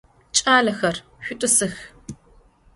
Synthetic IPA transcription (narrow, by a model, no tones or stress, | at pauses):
t͡ʃʼaːlɐxɐr | ɕʷᶣʊtʼʊsɨx